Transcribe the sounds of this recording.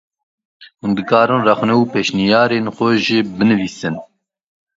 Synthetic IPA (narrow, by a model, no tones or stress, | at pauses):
hund̪ɨkɑːɾɨ̃nrɛxnɛupeːʃnijɑːɾeːnxʷɛʒɪbɨnɨviːsɨn